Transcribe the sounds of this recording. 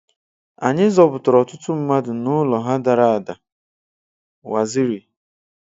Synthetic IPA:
a̰˨ɲɪ˦zɔ˨bʊ˨tʊ˨ɾɔ˨tʊ˦tʊ˦m̩˦ma˦dʊ˨nʊ˦lɔ˨ɦa˦da˨ɾa˨a˨da˨ | wa˨zɪ˦ɾi˨

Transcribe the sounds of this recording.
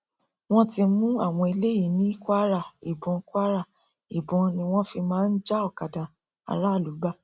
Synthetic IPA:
w̃ɔ̃˦ti˧˦mũ˦a˦˨w̃ɔ̃˧i˧le˦ji˨˦nĩ˦kʷa˦ɾa˦˨i˨bɔ̃˨˧kʷa˦ɾa˦˨ | i˨bɔ̃˨˧nĩ˧w̃ɔ̃˦fi˧mãː˦n̩˦d͡ʒa˦ɔ˦˨ka˨dã˨ | a̰˧ɾa˦˨lu˨˦ɡ͡ba˦

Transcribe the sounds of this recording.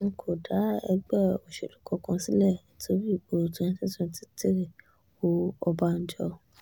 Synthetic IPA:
ŋ̩˧kʰo˨da˨˦ɛ˧ɡ͡bɛ˦˨o˨ʃḛ˨lu˨˦kɔ˧˦kã˧si˦lɛ˦˨tʰo˦ɾi˦˨ɡ͡bo˨tõ˧˦ĩ˦tĩ˦tũ˦˧ti˦te˦ɾe˨ | o˧ɔ˧ba˧n̩˦d͡ʒɔ̰˧

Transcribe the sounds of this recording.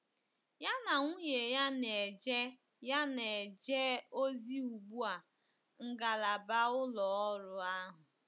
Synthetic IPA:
ja˦na˨ŋʷu˦ɲe˨ja˦ne˨d͡ʒe˦ | ja˦ne˨d͡ʒe˦o˦zi˦u˨ɡ͡bu˦a˨ | ŋ̩˦ɡa˨la˨ba˦ʊ˦lɔ˨ɔ˦ɾʊ˨a˦ɦʊ˨

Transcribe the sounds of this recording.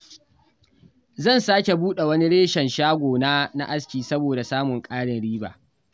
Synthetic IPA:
zɐ˦˨nsaː˦kʲe˨buː˦ɗe˨wɐ˦ni˦ɽeː˦ʃɛ˨nʃaː˦ɡʷoː˨naː˦na̰˦ʔa˦skʲiː˨sɐ˦boː˨da˨saː˦mʊ˨ŋkʼaː˦ɽɪ˨nɽiː˦ba̰ː˨

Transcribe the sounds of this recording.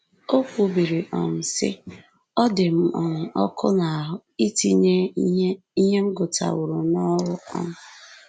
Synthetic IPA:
o˦kʷu˦˨˦bi˨ɾi˨ʔɔ̰˨n̩˨sɪ̰˦ | ɔ˦dɪ˨m̩˦˨ʔɔ˨ŋ̩˨ʔɔ˦kʰʊ̰˦na˨ɦʊ˨i˦ti˦ɲe˦ | i˦ɦe˦m̩˦ɡʊ˨ta̰˨wʊ˨ɾʊ˨nɔ˦ɾʊ˦ɔ̰˦m̩˦

